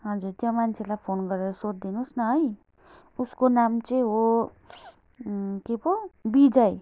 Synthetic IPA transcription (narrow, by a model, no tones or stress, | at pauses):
ɦʌd͡zuɾt̪jomant͡sʰelajpʰonɡʌɾeɾʌsotd̪inusnʌɦʌj | uskonamt͡sʌj̃ɦo | kebobid͡zʌj